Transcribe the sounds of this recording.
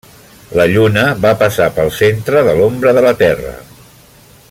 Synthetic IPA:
ləʎunəβapəsapəlˠsent̪ɾəðəlombɾəðələt̪ɛrə̰

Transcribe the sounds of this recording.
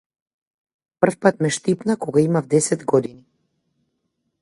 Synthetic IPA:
pr̩fpat̪mɛʃt̪ipnakɔɡaimavd̪ɛsɛd̪ɡɔd̪ini

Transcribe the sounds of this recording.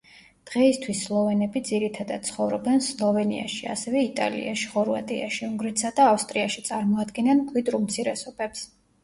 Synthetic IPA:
d̪̥ʁɛist̪ʰwisːlˠɔvɛnɛbid̪ziɾit̪ʰad̪ad̪̚t̪sʰχɔvɾɔbɛnslˠɔvɛnḭa̰ʃia̰sɛvɛit̪ʼa̰lḭaʃi̥χɔɾva̰t̪ʼia̰ʃiuŋɡɾit̪sad̪aːfst̪ʼɾiaʃit̪sʼaɾmɔad̪ɡɛnankʼwid̪ɾumt̪sʰiɾɛsɔb̥ɛps

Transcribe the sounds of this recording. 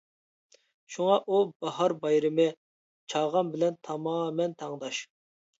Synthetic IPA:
ʃuŋɑʔubɑhɑɾbɑjɾɪmɨ | t͡ʃʰɑʁɑnbɪlɛnt̪ʰɑmɑːmɛnt̪ʰɑŋd̪ɑʃ

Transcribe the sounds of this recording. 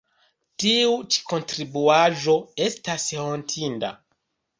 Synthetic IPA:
tiut͡ʃi̥ko̞ntɾibuaʒo̞e̞stashontʰinda̰

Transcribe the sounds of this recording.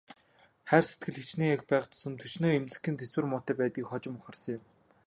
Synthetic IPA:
χærset̪̚ɡɘ̆ɮxĭt͡ɕneːaxpæːχt̪ʰʊ̥sɞ̆nt̪ʰɵʃnoːemt͡sɘ̆kʲːĭnt̪ʰeswɘ̆rmʊːt̪æːpæːt̪ɡiːkχɔt͡ɕɪ̆mʊχə̆rsɞ̆ŋjɪm

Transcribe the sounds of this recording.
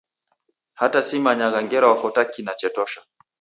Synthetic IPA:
hatasimaɲaɣaŋɡɛɾawakɔtakinat͡ʃɛtɔʃḁ

